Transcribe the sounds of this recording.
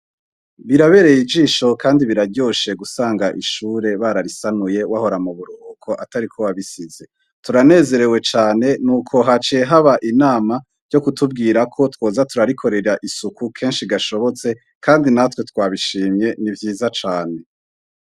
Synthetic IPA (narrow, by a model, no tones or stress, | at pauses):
βiɾaβe̞ɾe̞jid͡ʒiːʃo̞kʰaːndiβiɾaɾɟo̞ʃe̞ɡusaːŋɡaʔiʃuːɾe̞βaɾaɾisanuje̞waho̞ɾamuβuɾuokʰo̞ʔataɾikʰowaβisize̞ | tuɾane̞ːze̞ɾe̞we̞t͡ʃaːne̞nuːkʰo̞ɦat͡ʃeɦaβaʔinaːma | ɾɟo̞kutubɡiːɾakʰo̞two̞ːzatuɾaɾikʰo̞ɾe̞ɾaʔisukukʰe̞ːnʃiɡaʃo̞βo̞t͡se̞ | kʰaːndinatwe̞twaːβiʃiːmɲe̞nivjiːzat͡ʃaːne̞